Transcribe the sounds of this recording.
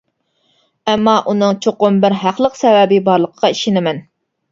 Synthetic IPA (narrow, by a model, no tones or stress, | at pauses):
ɛmːɑʔunɨŋt͡ʃʰoqʊmbɪɾɦæqlˠəqsɛvɛbɪbɑɾlˠəqʰə̥qɑiʃɪnɪmɛn